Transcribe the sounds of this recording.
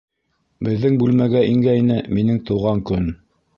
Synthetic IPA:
bɘ̆ðːɘŋbʉlmæɡæʔiŋɡæinɘminɘŋt̪ɤ̆wʁɑŋkɵn

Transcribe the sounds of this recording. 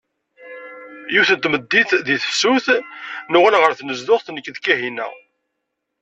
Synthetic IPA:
juθənt̪məd̪ːiθðiθsuθnʊʁælʁəɾθnəzðʊχθnəkːðkæɦinæ̰

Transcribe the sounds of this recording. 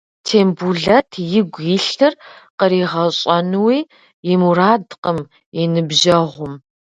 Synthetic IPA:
tʰeːmbuɮɐtʰjɪɡʷjɪɬɨrqəɾiːʁɐɕʼɐnɨwiː | jɪmuɾaːdqəm | jɪnɨbʒɐʁʷʊm

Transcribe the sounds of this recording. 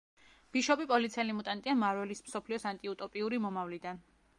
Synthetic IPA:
b̥iʃɔbipʼɔlit̪sʰɛlimut̪ʼant̪ʼiamaɾwɛlismsɔpʰliɔsant̪ʼiut̪ʼɔpʼiuɾimɔmavlid̪an

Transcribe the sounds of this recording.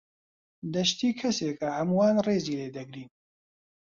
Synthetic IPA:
d̪ɐʃt̪iːkʰɐseːkɐhɐmuwaːnreːziːleːd̪ɐɡɾiːn

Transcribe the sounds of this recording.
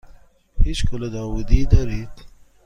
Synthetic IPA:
hit͡ʃkəlad̪ɑwud̪id̪aɾit̪

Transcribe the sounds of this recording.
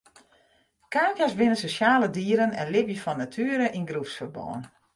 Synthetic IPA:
kaːkjasbɪnənsosaːlədiːɾənɛnlɪbjəfɔnːatʰyːəɾəʔinɡrufsfərbɔ̰ːən

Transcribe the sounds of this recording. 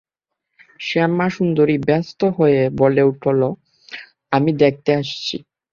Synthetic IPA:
ʃɛmaʃund̪oɾibɛst̪oɦoeeboleuʈʰolo | amid̪ek̚ʰt̪eaʃt͡ɕʰḭ

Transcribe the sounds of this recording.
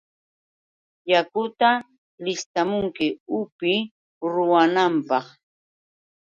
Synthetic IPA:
jakʊt̪a | lɪst̪amʊŋkɪʊpɪ | ɾʊwanampɑχ

